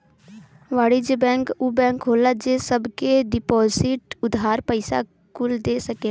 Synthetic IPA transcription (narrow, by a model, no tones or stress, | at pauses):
ʋaːɽid͡ʒebɛ̃ːŋkubɛ̃ːŋkɦoːlad͡ʒesəbkeɖɪpɔːzɪʈʊd̪ʱaːɾpəɪsa̰ | kʊld̪eːsɐke